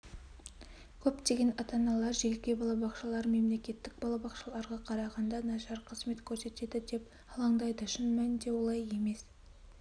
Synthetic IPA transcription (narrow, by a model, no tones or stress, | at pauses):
kʲʰɵpt̪e̞ɡʲe̞nɑt̪ɑnɑlˠɑɾʒelʲkʲebɑlˠɑbɑqʃɑlˠɑɾme̞mle̞kʲe̞t̪ːɪk̚bɑlˠɑbɑqʃɑlˠɑɾʁɑqʰɑɾɑʁɑnd̪ɑnɑʃɑɾqʰəzme̞t̪kʲʰɵɾse̞t̪e̞d̪ɪd̪e̞p | ɑlˠɑɴd̪ɑjd̪əʃɪnmænɪnd̪e̞wo̞lˠɑje̞me̞s